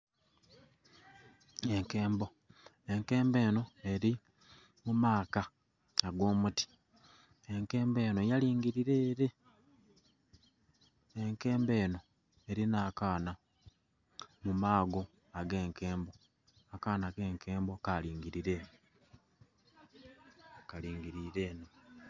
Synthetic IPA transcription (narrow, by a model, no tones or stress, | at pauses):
e̞ŋkeːmbo̞ | e̞ŋke̞ːmbe̞ːno̞e̞ɾi | mumaːka | aɡo̞ːmuti̥ | e̞ŋke̞ːmbe̞ːno̞jaliːŋɡiɾiɾe̞ːɾe̞ | eŋke̞ːmbe̞ːno̞ | e̞ɾinaːkaːna | mumaːɡo̞ | aɡe̞ːŋke̞ːmbo̞ | akaːnake̞ːŋke̞ːmbokaliːŋɡiɾiɾe̞ | kaliːŋɡiɾiɾe̞no